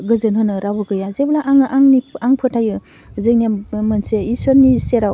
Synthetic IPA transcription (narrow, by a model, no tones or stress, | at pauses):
ɡɯzɯnɦɯnɯɾabɯɡɯjazeblaʔaŋʔaŋniaŋpʰɯtʰajɯ | zɯk̚niammɯnseisɔɾniseɾaw